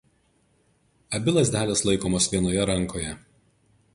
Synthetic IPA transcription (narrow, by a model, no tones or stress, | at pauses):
ɐbʲɪlˠɐsʲd̪ʲæːlʲɛslˠɐɪkoːmoːsʋʲiɛnoːjɛɾɐŋˑkoːjɛ